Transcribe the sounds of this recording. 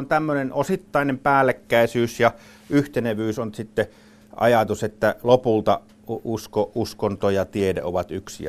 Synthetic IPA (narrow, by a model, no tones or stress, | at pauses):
nt̪æmːønenʔosit̪ːɑˑinempæːlːˑekːæˑisyːsjɑ | yht̪eneʋyːsonsit̪ːe | ʔɑ̰jɑt̪uset̪ːælopult̪ɑ | uskoʔuskont̪ojɑt̪iedḛo̰ʋɑt̪yksḭɑ̰